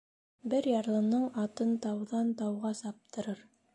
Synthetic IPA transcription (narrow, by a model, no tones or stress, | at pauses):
bɘɾjɑɾlˠɤ̆nɤɴɑt̪ɤnt̪ɑwðɑnt̪ɑwʁɑsɑp̚t̪ɤ̆ɾɤɾ